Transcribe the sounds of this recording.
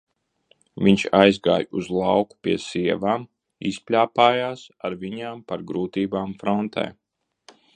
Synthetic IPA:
vʲiɲt͡ʃajzɡa̰ːjuzlˠɑwku̥pʲiɛsiɛvaːm | ispʲlʲaːpaːjaːsaɾvʲiɲaːmpaɾɡɾuːt̪iːbaːmfɾɔnt̪ʰɛ̰ː

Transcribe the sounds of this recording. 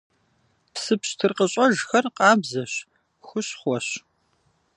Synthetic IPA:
psɨpɕtʰɨrqəɕʼɐʒxɐrqʼɑːbzɐɕ | xʷʊɕχʷɔɕ

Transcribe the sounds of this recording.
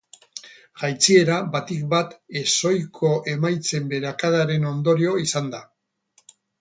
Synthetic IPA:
ʝajt͡sie̞ɾabat̪ik̚bat̪e̞so̞jkʰo̞ʔe̞majt͡se̞mbe̞ɾakaðaɾe̞no̞nd̪o̞ɾio̞isand̪a

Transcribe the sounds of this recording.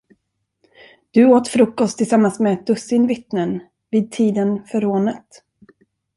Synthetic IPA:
d̪̥ɵoːt̪fɾɵkːɔst̪ʰːɪlsamːansmɛɛt̪̚d̪ɵsɪnvɪt̪nən | viːd̪̚t̪ʰiːd̪ənfœɾoːnət̪

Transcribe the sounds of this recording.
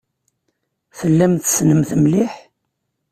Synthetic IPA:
θəlːæmθsnəmθəmlɪħ

